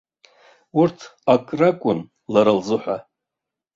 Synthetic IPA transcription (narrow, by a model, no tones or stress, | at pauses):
urtʰakʼrakʷʼʊn | laɾalzɨħʷa